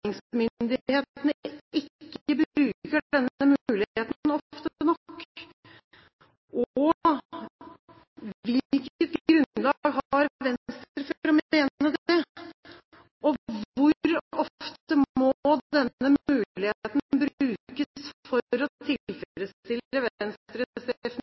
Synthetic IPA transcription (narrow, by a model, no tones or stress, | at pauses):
ɪŋsmʏnd̪ɪheːt̪ənɪkːəbʉːkəɖɛnːəmʉːlɪheːt̪n̩ɔft̪ənɔkː | ʔɔ | ʋɪlkət̪ɡɾʉnlɑɡɦɑɾʋɛnst̪ɾəfɾɔmeːnəd̪ɛ | ɔʋʋʊɾɔft̪əmmɔɔd̪ɛnːəmʉːlɪheːt̪nbɾʉːkəsfɔɾɔt̪ʰɪlfɾɛt̪st̪ɪləʋnst̪ɾəsɛfn